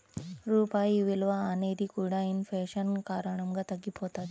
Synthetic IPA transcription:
ɾupaiʋilʋaːneɾikuɽainfeɕənkaɾəɳəmɡat̪əɡipɦot̪at̪

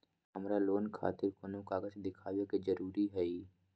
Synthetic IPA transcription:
ɦəmɾaloːnkʰa̰ːt̪ɪɾkonõkaːɡəd͡ʒd̪ɪkʰaːʋoked͡ʒəɾuːɾiɦɛiː

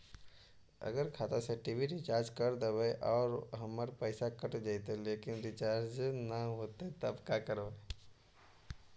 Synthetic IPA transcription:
ɐ̰ɡəɾkʰaːt̪aseʈibʱiɾɪt͡ʃaːɾd͡ʒkɐɾd̪eʋeʔɔːɾɦɐməɾpəːsakəʈd͡ʒajt̪eleːkɪnɾɪt͡ʃaːɾd͡ʒnəɦoːt̪et̪ɐbkakəɾba

